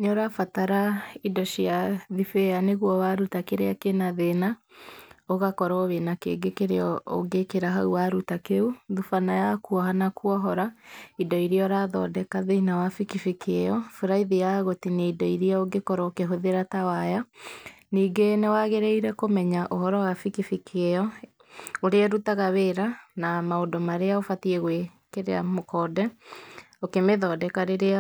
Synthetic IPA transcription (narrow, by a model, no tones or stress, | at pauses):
noɾafataɾaidɔʃiaðifeaneɣuɔβaɾutakeɾeakenaðena | oɣakɔɾɔːβenakḛːŋɡekeɾeɔo̰ɡekeɾaɦauwaɾutakeuðufanajakuɔɦanakuɔɦɔɾaidɔiɾiɔɾaðɔ̰ːdɛkaðeinawafikifikʰɛjɔfuɾaiðijaɣotineidɔiɾiaoɡekɔɾɔokeɦoðeɾatawaja | niːɡenewaɣeɾɛiɾɛkomɛɲaʔohɔɾɔwafikifikejɔ | oɾeaɾutaɣaβeɾanamaodomaɾeaofatiɛɣwe | keɾḛa̰mokɔːdɛ | okemeðɔdɛkaɾeɾea